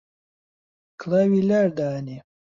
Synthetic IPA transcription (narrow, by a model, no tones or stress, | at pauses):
kʰlawilaɾd̪ani